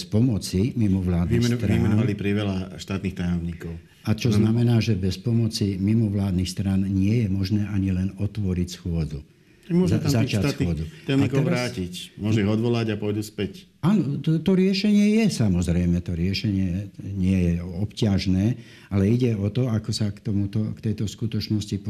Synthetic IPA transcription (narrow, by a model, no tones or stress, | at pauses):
spɔmɔt͡simimɔʋlaːd̪ixst̪ɾaimɛnɔalipɾiʋɛlaʃt̪aːt̪nixt̪ajɔmɲiːkɔʊ | at͡ʃɔznamɛnaːʒɛbɛspɔmɔt͡simimɔʋlaːd̪nixst̪ɾanɲɪɛjɛmɔʒnɛːʔaɲilɛnɔt̪ʋɔɾicsxʊɔd͡zu | mɔzazat͡ʃasxʊɔd͡zuajmaikɔɛʋaɾaːcicmʊɔʒuiɣɔd̪ʋɔlaɟapɔjd̪uspɛc | aːnɔt̪ɔɾɪɛʃɛɲɪɛjɛsamɔzɾɛjmɛt̪ɔɾɪɛʃɛɲɪɛɛɲɪɛjɛɔpcɪaʒnɛː | alɛiɟɛɔt̪ɔakɔsakt̪ɔmut̪ɔkt̪ɛjt̪ɔskut̪ɔt͡ʃnɔscip